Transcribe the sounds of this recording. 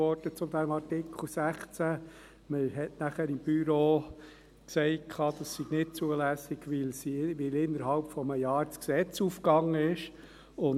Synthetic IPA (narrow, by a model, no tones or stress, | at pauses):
ɔɾd̥ət͡sʊmd̥̪æmɑɾtɪkʰl̩ˠsæχt͡sæ | məɦɛtnæχəɾɪmb̥yɾoː | ksɛɪt̚kʰɑːd̥̪ɑsːiɡ̥nɪt̚t͡suəlæsɪɡ̥ʋɪlsiʋɪlɪnːəɾhɑlpfɔməjɑːɾt͡sksɛt͡sufkɑŋːəɪʃ | ʊn